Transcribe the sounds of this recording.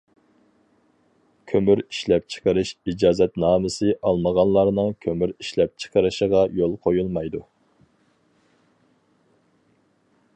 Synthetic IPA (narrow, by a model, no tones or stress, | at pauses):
kʲʰømyɾi̥ʃlɛp̚t͡ʃʰə̥qʰəɾɨʃid͡ʒɑːzɛt̪nɑːmɨsɨʔɑlˠməʁɑnlˠɑɾnɨŋkʲʰømyɾiʃlɛp̚t͡ʃʰə̥qʰəɾɨʃəʁɑjolˠqʰojulˠmɑjd̪u